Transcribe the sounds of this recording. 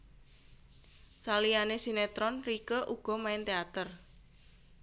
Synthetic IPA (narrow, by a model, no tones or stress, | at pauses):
salianesinet̪ɾɔnrikəʔuɡ̥ɔ̤maɪnt̪eat̪ər